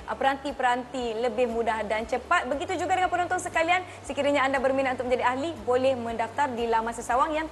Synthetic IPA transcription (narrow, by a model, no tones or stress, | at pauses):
ʔəpəɾant̪ipəɾant̪iləbɪhmũdahdant͡ʃəpat̪̚bəɡit̪ud͡ʒuɡadəŋanpənɔ̃nt̪ɔŋsəkalian | səkiɾaɲaːndabərmĩnat̪̚unt̪ʊk̚mə̃d͡ʒadiahlibolɛhmə̃ndaft̪ardilamãnsəsawaŋjaŋ